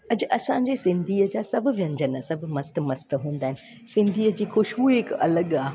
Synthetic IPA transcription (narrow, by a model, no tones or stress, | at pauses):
ɐd͡ʑɐsãɲd͡ʑeːsɪ̃nd̪ʱiːəd͡ʑaːsɐbʱʊ̆ʋɐ̃ɲd͡ʑənsɐbʱmɐst̪mɐst̪ɦũːn̆d̪aːɦɪnɪ̆ | sɪ̃nd̪ʱiːəd͡ʑiːxʊʃɦuekɐ̰ləɠaː